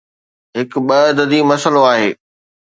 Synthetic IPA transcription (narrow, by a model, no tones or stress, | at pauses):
ɦɪkɓɐd̪əd̪imɐsəloaːɦeː